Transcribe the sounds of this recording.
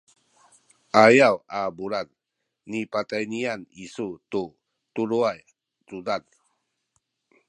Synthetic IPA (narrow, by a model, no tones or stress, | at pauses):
ʔajawabuɾanː | ipatajnianisutu | tuɾuaj | t͡sudan